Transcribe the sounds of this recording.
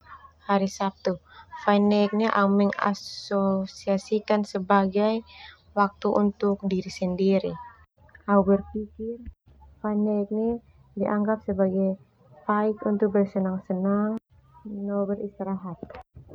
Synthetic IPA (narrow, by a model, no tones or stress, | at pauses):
haɾisap̚t̪ufajnɛk̚ɲaʔaumɛŋa̰sosiasikansəbaɡaj | wak̚t̪uʔunt̪ʊk̚diɾisəndiɾi | ʔaubərpikɪr | fajnɛk̚nɛ | diʔaŋɡap̚səbaɡaj | faɪkunt̪ʊk̚bərsənaŋsənaŋ | nɔbərist̪iɾaɦat̪̚